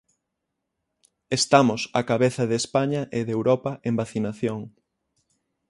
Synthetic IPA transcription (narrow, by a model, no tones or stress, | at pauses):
est̪amʊsa̰kaβeθɐðespaɲɐʔeðewɾɔpɐʔembaθinaθjoŋ